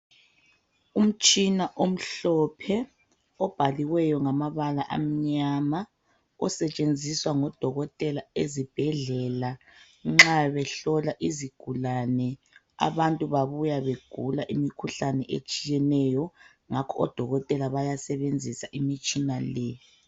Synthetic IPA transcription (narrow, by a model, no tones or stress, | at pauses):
um̩t͡ʃʼinaʔom̩ɬɔpʰɛ | ɔb̥ʱaliwɛjɔŋamaβalaʔa̰m̩ɲama | ɔsɛt͡ʃʼend͡zʱiswaŋɔd̥ʱɔɣɔtʼɛlaezib̥ʱɛɮɛla | ŋ͡ǁaβɛɬɔlaʔiziɡ̥ʱulanɛ | a̰βantʼuβaβujaβeɡ̥ʱulaʔimikʰuɬanɛʔḛt͡ʃʼijɛnɛjɔ | ŋakʰɔɔd̥ʱɔɣɔtʼɛlaβajasɛβend͡zʱisaʔimit͡ʃʼinalɛ